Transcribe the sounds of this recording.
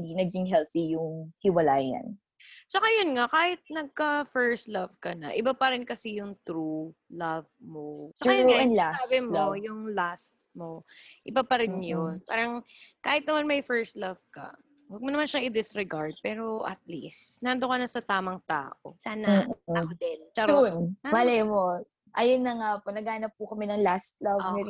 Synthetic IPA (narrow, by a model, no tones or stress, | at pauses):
d̪inɐɡ̚d͡ʒɪŋɦɛlθijʊŋhɪwɐlaːjɐ̰n | t͡ʃɐkajonŋakaːhɪt̪̚nɐɡ̚kɐfɛɹst̪lɐvkɐnɐ̰ʔɪbapɐɾɪnkɐsɪjʊŋt̪ɾulɐvmot͡ʃɐaɛdlasaːbɪmojʊŋlast̪̚mo̞ʔɪbapɐɾɪnjonpa̰ːɾɐŋ | kaːhɪt̪̚nɐmanmɐjfɛɹst̪lɐv̥kɐ̰ | wɐɡ̚monɐmanʃɐŋɪd̪ɪsɾɛɡaɹd̪̚pɛːɾo̞ʔɐ̰t̪̚lḭsnaːnd̪okɐnɐsɐt̪aːmɐŋt̪a̰ːʔo̰saːnɐɐkod̪ɛnɐɾunmɐlɛmo | ʔɐjɐnːɐŋaponɐɡaːnɐp̚ːʊkɐmɛnɐŋlast̪̚lɐvɛ